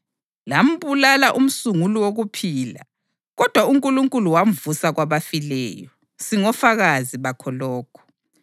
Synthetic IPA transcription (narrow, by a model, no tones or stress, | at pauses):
lam̩βulalaʔum̩suŋuluwoɣupʰiːla̰ | ɣɔd̥ʱwauŋkʼuluŋkʼuluwam̩vusaɣwaβafilɛ̰ːjɔ | siŋɔfaɣaziβakʰɔlɔːkʰɔ̥